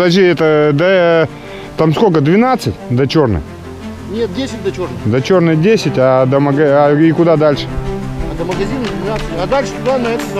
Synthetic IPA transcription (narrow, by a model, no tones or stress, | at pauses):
d̪aʒʲiɛt̪əd̪ə | t̪amskokəd̪vʲɪnat̪sɨtʲd̪ət͡ɕo̞rnɨ̰j | nʲet̪̚dʲesʲɪt̚ʲd̪ɐt͡ɕornɨd̪ət͡ɕo̞rnɨxdʲesʲɪtʲad̪əməɡɐaɪkʊd̪ad̪alʲʂɨ̥ɐd̪əməɡɐzʲinəd̪vʲɪnat̪sɨtʲɐd̪alʲʂɨ̥t̪ʊd̪anɐɛt̪ə